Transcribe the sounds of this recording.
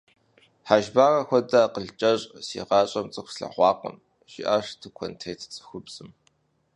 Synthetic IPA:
ħaːʒbaːrɐxʷɔdaqəɮt͡ʃʼɐɕʼsḭːʁɑːɕʼɐmt͡sʼɨxʷsɬɐ̰χʷɑːqə̰m | ʒ̥ɪ̰ʔaːʂtʰɨkʷʰɔntʰejtʰt͡sʼɨ̥xʷʊbz̥ɨm

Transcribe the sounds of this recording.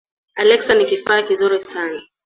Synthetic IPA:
alɛksanikifaakizɔɾisana

